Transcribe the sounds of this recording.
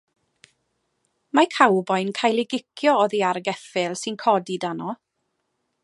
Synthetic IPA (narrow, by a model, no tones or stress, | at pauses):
makʰawbɔjnkʰajlˠɪɡɪkʰjɔɔðiaɾɡɛfɪlˠsɨnkʰɔdidanɔ